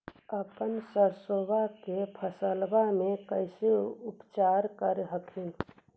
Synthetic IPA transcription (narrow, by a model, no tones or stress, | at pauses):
əpənsəɾsobakepʰəsəlbamẽkəɪseupt͡ʃaɾkəɾɦəkʰin